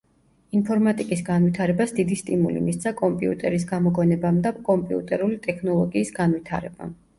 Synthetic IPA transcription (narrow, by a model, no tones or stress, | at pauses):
inpʰɔɾmat̪ʼikʼisɡanwit̪ʰaɾɛbasd̪id̪ist̪ʼimulḭmist̪sʰakʼɔmpʼiṵt̪ʼɛɾis̬ɡamɔɡɔnɛbamd̪apkʼɔmpʼiṵt̪ʼɛɾulit̪ʼɛkʰnɔlˠɔɡiːsɡanwit̪ʰaɾɛba̰